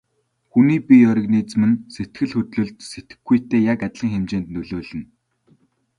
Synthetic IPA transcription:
xuniːpiœɾʲɪ̆kniːt͡s̆mɘ̆nset̪ɡɘ̆ɮxɵt̪ɮɵ̆ɮt̪set̪ɘ̥̆xɡɡujt̪ʰeːjakat̪ɮĭŋxemt͡ɕeːnt̪nɵɮoːɮɘ̆n

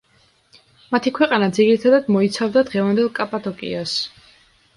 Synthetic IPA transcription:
mat̪ʰikʰwɛqʼanad̪ziɾit̪ʰad̪ad̪mɔit̪sʰavd̪ad̪ʁɛvand̪ɛlˠkʼapʼat̪ʰʼɔkʼḭas

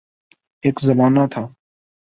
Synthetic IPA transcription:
eːkzəmaːnaːt̪ʰaː

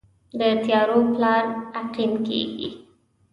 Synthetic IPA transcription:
d̪ət̪jɑɾoplɑɾaqimkḛɡḭ

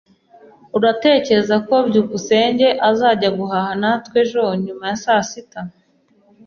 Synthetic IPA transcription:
uɾate̞ːceɾzako̞bɟuːβuse̞ːɲɟe̞ʔazaːɟaɡuɦahanatkwe̞ʒoɲumajasasita

